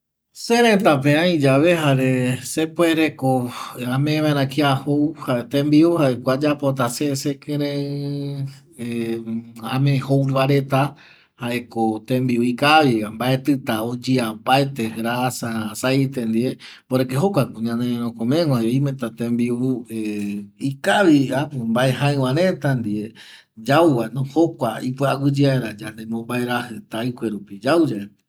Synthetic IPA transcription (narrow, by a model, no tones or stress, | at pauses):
seɾẽt̪ap̬ẽãĩd͡ʒaʋe̞ɦaɾesepoeɾekoãmẽβaẽɾ̃ãkiahowhat̪ẽmbiuhaekʷad͡ʒapot̪̬asesekẽɾẽ | ãmẽhowɾβaɾet̪a | haekot̪ẽmbiuikaβiambaet̪ɨt̪aod͡ʒiambaet̪eɾasasajt̪end̪ieboɾek̬eɦokʷakũɲãneɾõkõmẽŋãjoimet̪at̪ẽmbiueikaβiapombaeɦaew̃ãɾet̪and̪ie | d͡ʒawwanõhokʷaipɨawɨd͡ʒiaeɾad͡ʒand̪emõmbaeɾahɨt̪ajkʷeɾupid͡ʒawd͡ʒae